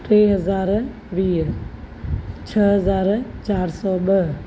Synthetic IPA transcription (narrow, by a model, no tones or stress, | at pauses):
ʈ̪ɾeːɦəzaːɾ | ʋiːɦ | t͡ʃʰəɦəzaːɾt͡ʃaːɾsɔːbəɦ